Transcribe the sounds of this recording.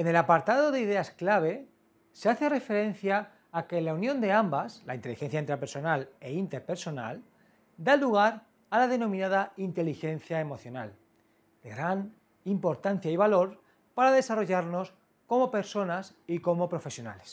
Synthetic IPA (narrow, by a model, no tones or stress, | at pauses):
e̞ne̞lapaɾt̪aðo̞ðeiðe̞asklaβ̞e̞ | seaθe̞re̞fe̞ɾe̞n̟θjaː | ke̞launjo̞nd̪eambasla̰int̪e̞lixe̞nθjaint̪ɾepeɾso̞nale̞int̪eɾpe̞ɾso̞na̰l | d̪aluɣ̞aɾ | alað̞e̞nõ̞mĩnaðaint̪e̞lixe̞n̟θjaemo̞θjo̞na̰l | d̪̥e̞ɣɾan | impo̞ɾt̪an̟θjaiβ̞alo̞ɾ | paɾaðe̞saro̞ʝaɾno̞s | ko̞mo̞pe̞ɾso̞nas | iko̞mo̞pɾo̞fe̞sjo̞na̰le̞s